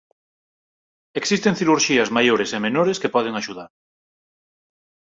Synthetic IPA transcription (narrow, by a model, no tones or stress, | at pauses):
eksist̪ẽŋθiɾuɾʃiɐzmajoɾesemenoɾeskepɔð̞eŋaʃuðaɾ